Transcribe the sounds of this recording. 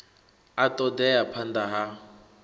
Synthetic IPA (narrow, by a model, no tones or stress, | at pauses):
atʼɔdɛjapʰandaɦa